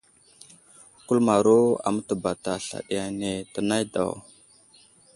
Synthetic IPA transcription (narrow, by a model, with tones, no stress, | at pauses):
ku˦lma˨ɾo˦a̰˨mə˦tə˨ba˨ta˨ɬa̰˨ɗi˨ja˨ne˨tə˨na˦jda̰˨w